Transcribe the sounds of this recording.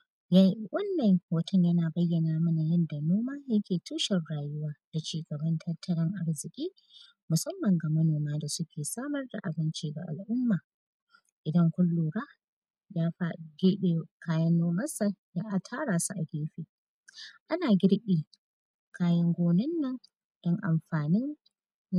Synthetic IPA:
ja˦wɐ˦nːɐ˨ŋwɐ˦tʰɔ˦ɲjɐ˦naː˨bɐ˦jːɐ˨naː˨mɐ˦na˨jɐ˦nda˨noː˦maː˦jɐ˦kʲeː˨tuː˦ʃɛ˨rɽaː˨jʊ˦waː˦d̥a˨t͡ʃiː˦ɡɐ˨bɐ˦ntʰɐ˦tʰɐ˦ɽɐ˦ŋʔa˦ɽzɪ˨kʲʼiː˦ | mʊ˨sɐ˦mːɐ˨ŋɡa˨mɐ˦noː˨maː˦da˨sʊ˦kʲʰeː˨saː˦mɐ˦rda̰˨ʔa˨bɪ˦nt͡ʃiː˦ɡa̰˨ʔa̰˨lʔʊ˦mːaː˨ | ʔɪ˨dɐ˦ŋkʷʊ˦lːuː˨ɽaː˦ | jaː˦ɸa˦˨ɡʲɪ˦e˦˨kaː˦jɐ˦nːoː˦mɐ˦sa˨jaː˦ʔa˨tʰaː˦ɽaː˨su˨ʔa˨ɡʲeː˦ɸeː˨ | ʔa˦naː˨ɡʲɪ˦ɽɓiː˨ | kʰaː˦jɐ˦ŋɡʷoː˦nɪ˦nːɐ˦ŋ | d̥ɔ˦ŋʔa̰˨mɸaː˨nɪ˦n

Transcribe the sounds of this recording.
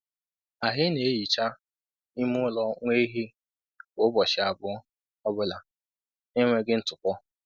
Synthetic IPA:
a˨ɦɪ˦ne˨e˦ji˨t͡ʃa˦ | i˦mʊ˦ʊ˦lɔ˦ŋʷe˦ɦi˦ | o˨˦bɔ˨ʃɪ˨a˨bʊ˦ɔ˦ | ɔ˦bʊ˦la˨ | ɪ˦ŋʷe˦ɡɪ˦n̩˦tʊ˨kʷɔ˦

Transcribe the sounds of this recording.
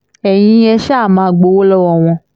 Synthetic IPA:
ɛ˨j̃ĩ˧˦ɛ˧ʃa˦˨mãː˨˦˨ɡ͡bo˨˦wo˦lɔ˦wɔ˦˨w̃ɔ̃˧

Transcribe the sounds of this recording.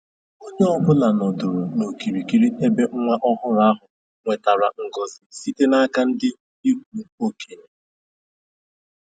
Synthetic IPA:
o˦ɲe˦ɔ˦bʊ˦la˨nɔ˨dʊ˨ɾʊ˨no˨ki˨ɾi˨ki˨ɾi˦e˦be˦ŋ̩˦ŋʷa˦ʔɔ˦ɦʊ˦ɾa˦ɦʊ˨ | ŋʷe˨ta˨ɾa˨ŋ̩˨ɡɔ˦zɪ˨si˦te˦na˦ka˦n̩˦dɪ˦ | i˦k̚ʷu˨o˦kʰe˦ɲe˦

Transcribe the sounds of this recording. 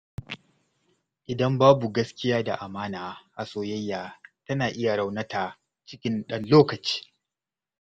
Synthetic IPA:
ʔɪ˨dɐ˦mbaː˦bu˨ɡɐ˦skʲɪ˦jaː˦da̰˨ʔa˨maː˦naː˨ha˨soː˦jɐ˦jːaː˨tɐ˦naː˨ʔɪ˦ja˨ɽa˦wnɐ˦taː˨ | t͡ʃɪ˦kʲɪ˦nɗɐ˦nloː˦kɐ˨t͡ʃi̥ː˦

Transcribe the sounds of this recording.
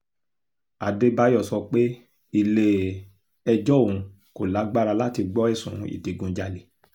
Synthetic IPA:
a˨de˦ba˦jɔ˦˨sɔ˧k͡pe˦ | i˦˨le˧˦ | ɛ˧d͡ʒɔ˦˨ũ˨˧ | ko˨la˨˦ɡ͡ba˦ɾa˧la˦ti˧ɡ͡bɔ˦ɛ˦˨sũ˨ḭ˨di˨ɡũ˧d͡ʒa˧le˨

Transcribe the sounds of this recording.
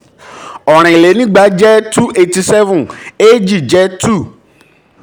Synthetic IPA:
ɔ˨ɾ̃ɪ̃˨le˨˦nĩ˦ɡ͡ba˨˦d͡ʒɛ˦tu˦ʔe˨ti˨˦sɛ˦vũ˨ne˦d͡ʒi˦˨d͡ʒɛ˦tu˦˨

